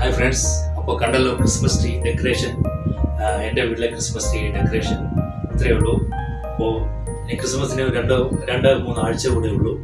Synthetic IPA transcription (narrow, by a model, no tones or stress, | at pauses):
hɐjfɾeɳɖsɐpːoːkɐɳɖɐlːoːkɾɨsmɐsʈiɖekːɐɾeːʂɐn | eɳɖeʋiɽlekɾismɐsʈiɖekːɐɾeːʂɐn | ɐt̪ːɾɐiʋɭːu | ɐpːoː | niːkɾɨsmɐst̪iniɾeɳɖoɾeɳɖɐmuːnːuaːɻt͡ɕːɐʋuɳiuɭːu